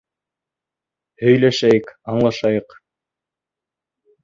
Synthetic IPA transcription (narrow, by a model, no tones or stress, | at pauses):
hɵ̆jlæʃæjɘkɑɴlˠɑʃɑjɤq